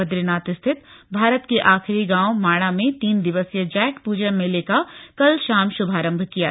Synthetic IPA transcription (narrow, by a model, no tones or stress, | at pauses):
əd̪ɾɪnaːt̪st̪ʰɪt̪bʱaːɾət̪keʔaːxɪɾiɡãːwmaːɽ̃amẽt̪iːnd̪ɪʋəsjəd͡ʒɛːkpuːd͡ʒənmẽleːkakɐlʃaːmʃʊbʱaːɾə̃mbʱkija̰